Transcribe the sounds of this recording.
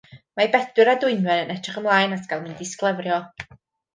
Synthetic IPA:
mabɛdwɪɾadʊɨnwɛɾənɛtʰrɪχəmlˠaːjnasɡ̥alˠmɪndɪsklˠəvrjɔ

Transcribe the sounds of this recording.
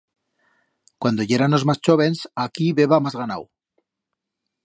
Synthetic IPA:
kwand̪o̞ʝe̞ɾano̞zmast͡ʃo̞βe̞nsakiβe̞βamazɣana̰w

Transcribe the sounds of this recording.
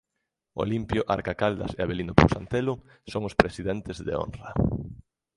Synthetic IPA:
o̰limpjoʔa̰ɾkakald̪a̰seaβelind̪ʊpo̰wsant̪elʊ | soŋʊspɾesiðɛnt̪ezðḛo̰nrɐ

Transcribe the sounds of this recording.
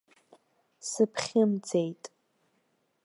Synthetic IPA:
sɨpʰχʲɪmd͡zejtʼ

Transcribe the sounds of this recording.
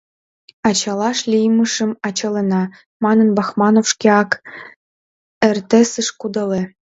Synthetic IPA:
ɑt͡ɕɑlɑʃlʲijməʃə̆mɑt͡ɕɑlĕnɑ | mɑnɤ̆nbɑxmɑnofʃkʲeɑk | ĕrt̪ĕsɨʃkud̪ɤ̆le

